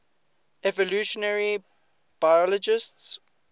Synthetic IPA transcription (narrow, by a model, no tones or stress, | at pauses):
ɛvɔluʃɔnɛɹi | b̥ajɔlɔd͡ʒɪsts